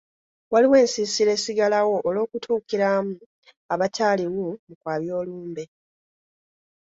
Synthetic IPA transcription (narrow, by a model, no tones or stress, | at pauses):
waliwe̞ːnsisiɾe̞ːsiɡalawo̞ʔːlo̞ːkutʰuːkiɾaːmu | aβataːliwumukwaːβjo̞ːluːmbe̞